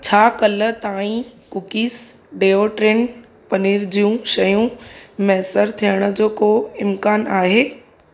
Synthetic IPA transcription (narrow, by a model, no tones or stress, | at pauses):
t͡ɕʰaːkɐlə̆t̪aːĩkʊkiːs | ɖeːoʈɾeːn | pɐniːɾd͡ʑijũʃɐjũmɛːsəɾt̪ʰijəɽ̃ə̆d͡ʑoːkoɪmkaːnaːɦeː